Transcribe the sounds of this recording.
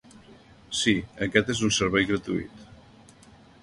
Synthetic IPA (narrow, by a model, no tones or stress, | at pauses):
siəkɛt̪ezunsəɾβɛjɣɾət̪ṵḭt̪